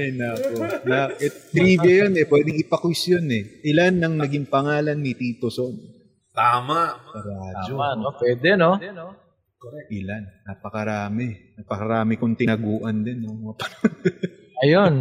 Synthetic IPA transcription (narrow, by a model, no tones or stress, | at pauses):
ɐjnakonaʔɛt̪ɾiːbɐjonɛpwɛːd̪ɪŋɪpɐkwɪsjonɛʔɪlanːɐŋnɐɡiŋpɐŋaːlɐnːɪt̪iːt̪oson | t̪aːmaʔsɐɾaːd͡ʒomaopwɛːd̪ɛno | ʔɪlanːapɐkɐɾaːmɛnapɐkɐɾaːmɪkʊnt̪ɪnɐɡuːʔɐnd̪ɛnːoŋmɐŋapɐnon | ɐjon